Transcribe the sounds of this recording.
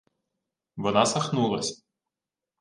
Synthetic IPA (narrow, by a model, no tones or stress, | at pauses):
ʋɔnɑsɐxnulˠɐsʲ